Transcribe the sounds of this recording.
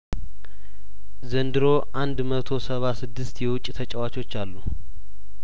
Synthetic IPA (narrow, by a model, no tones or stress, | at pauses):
zənd̪ɨɾo̞ʔand̪mət̪ʰo̞səβasɨd̪ːɨst̪jɛwʊt͡ʃʼːt̪ʰət͡ʃʼɛwat͡ʃo̞t͡ʃːalːu